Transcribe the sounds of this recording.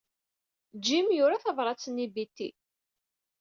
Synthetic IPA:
d͡ʒːimjʊɾaθɑvɾˤɑt͡sːənibit̪ːḭ

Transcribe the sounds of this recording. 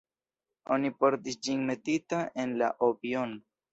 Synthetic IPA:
o̞nipo̞ɾtisd͡ʒinme̞titaʔe̞nla̰ʔobiono

